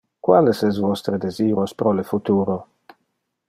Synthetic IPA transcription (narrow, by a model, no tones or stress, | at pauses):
kwalesɛsvɔst̪ɾed̪eziːɾospɾolefut̪uːɾo